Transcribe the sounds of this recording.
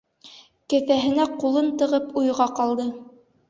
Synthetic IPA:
kɘ̆θæɦɘ̆næqulˠɤnt̪ɤ̆ʁɤpujʁɑqɑlˠd̪ɤ

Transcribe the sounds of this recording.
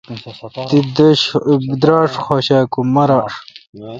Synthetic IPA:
t̪id̪əɕbd̪ɾaːʂxoːɕaːkumɐɾaːʂ

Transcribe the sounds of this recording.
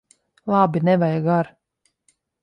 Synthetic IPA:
lˠɑbinɛvajaɡaɾ

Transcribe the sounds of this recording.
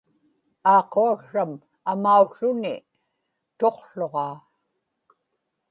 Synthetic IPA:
ɑːqoaɣʂam | amauɬʊni | t̪o̞qɬo̞ʁɑː

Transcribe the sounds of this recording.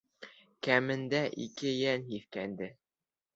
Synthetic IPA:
kæmɘ̆nd̪æʔikɘjænhiθkænd̪ɘ

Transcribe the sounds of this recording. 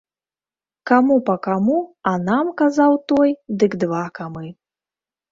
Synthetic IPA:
kamupɐkamuɐnamkazawt̪ɔjd̪ɨɡd̪vakamɨ

